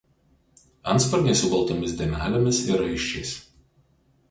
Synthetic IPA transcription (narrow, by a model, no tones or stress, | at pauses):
ɐnspɐɾʲnʲɛɪsʊɡɐlˠt̪oːmʲɪsd̪ʲɛmʲæːlʲomʲɪsɪɾɐɪʃʲt͡ʃʲɛɪs